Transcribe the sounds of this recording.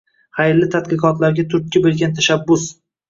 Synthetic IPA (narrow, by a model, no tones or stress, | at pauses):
χajlːɪt̪ʰad̪qɨqɒt̪laɾɡʲat̪ʰʊɾt̪̚kʲɪbelˠɡʲant̪ʰaʃabːʊs